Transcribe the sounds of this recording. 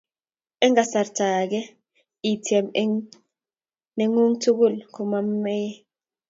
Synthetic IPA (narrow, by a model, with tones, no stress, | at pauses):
ɛ˦ŋɡa˨sa˨rtʰa˨k̬ɛ˦ | i˨tʰi˨ɛ˨m˦ | ne˦ŋu˦ŋtʰu˦ku˦˨lkʰu˨ma˦mːe˦